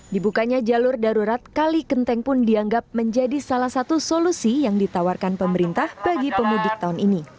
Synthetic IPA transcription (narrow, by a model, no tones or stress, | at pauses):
dibukaɲad͡ʒalʊrdaɾuɾat̪̚kalikənt̪ɛŋpʊndiaŋɡap̚məɲd͡ʒadisalahsat̪usolusijaŋdit̪awarkanpəməɾint̪ahbaɡipəmudɪk̚t̪aunini